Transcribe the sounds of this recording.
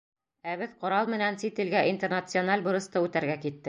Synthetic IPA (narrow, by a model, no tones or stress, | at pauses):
æβɘðqŏɾɑlˠmɘ̆nænsit̪ɘ̆lɡæʔint̪ernɐt̪sɨonalʲbŭɾɤ̆st̪ɤʉt̪æɾɡækit̪ːɘ